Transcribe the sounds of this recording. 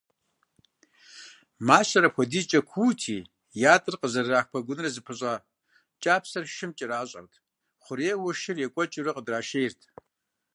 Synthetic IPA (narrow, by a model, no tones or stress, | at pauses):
maːɕɐɾɐpxʷɔdiːt͡ʃʼɐkʷʰuːtʰḭː | jaːtʼɨrqəzɐraːxpʰɐɡʷʊnɨrɐzɨpʰɨɕʼaː | t͡ʃʼaːpʰsɐrʃɪmt͡ʃʼɪɾaːɕʼɐ̰rtʰ | χʷʊɾeːwɐʃɪrjɛkʷʼɔt͡ʃʼɪrɐqʼədraːʃejɪrtʰ